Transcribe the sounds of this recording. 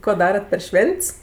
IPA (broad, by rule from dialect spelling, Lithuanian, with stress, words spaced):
koː ˈdɑːrɐt pʲɛr ˈʃʲʋʲɛnʲtʲs